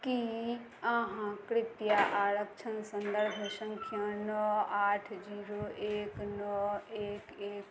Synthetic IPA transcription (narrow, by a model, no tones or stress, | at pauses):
ki | aɦãkɾɪt̪jaʔaːɾəkt͡ʃʰənsɐ̃nd̪əɾbʱesə̃ŋkʰjãnɔaːʈʰd͡ʒiːɾoːʔeːknɔeːkeːk